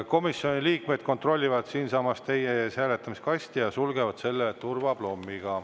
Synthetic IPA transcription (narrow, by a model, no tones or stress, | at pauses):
ko̞misːjo̞nʲiliːkmed̪̥̚ko̞nt̪ro̞lʲːivɑd̪̥siːnsɑmɑst̪e̞jesæːle̞t̪ːˑɑmiskɑsʲt̪ijɑsulɡe̞vɑd̪̥se̞lːet̪urvɑb̥lo̞mːiɡ̥ɑ